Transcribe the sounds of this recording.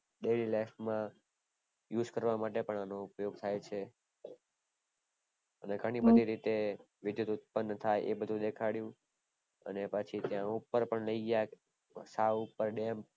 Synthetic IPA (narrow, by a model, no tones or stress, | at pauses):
ɖelilafmã | jud͡ʒkəɾʋamaʈepəɳanoupjoɡ̚t̪ʰajt͡ʃʰe | əneɡʱəɽ̃ibəd̪ʱiɾit̪e | ʋɪd̪jut̪ut̪̚pənːət̪ʰajʔebəd̪ʱũd̪ekʰaɽjũ | ə̰nepət͡ʃʰit̪jãupəɾpəɳləiɡja | saʋupəɾɖem